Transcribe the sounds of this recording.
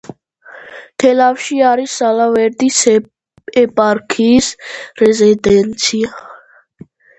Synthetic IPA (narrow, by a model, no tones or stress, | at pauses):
t̪ʰɛlawʃiaɾisalaweɾd̪is | epʼaɾkʰisɾɛzed̪ɛnt͡sʰia